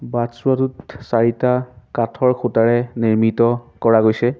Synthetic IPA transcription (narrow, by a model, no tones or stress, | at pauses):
batsuatutsaɹitakatʰɔɹkʰutaɹɛniɹmitɔkɔɹaɡojsɛ